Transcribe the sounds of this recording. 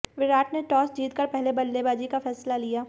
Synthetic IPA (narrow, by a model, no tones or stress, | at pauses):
ʋɪɾaːʈneʈɔːsd͡ʒiːt̪kəɾpɛɦlebɐlːebaːd͡ʒikafɛːslalijaː